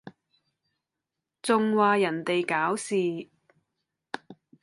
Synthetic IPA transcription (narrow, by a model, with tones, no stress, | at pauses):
t͡sʊ˨ŋwaː˨˧jɐ˨˩nt̪e˨jkaː˨˥wsiː˨˧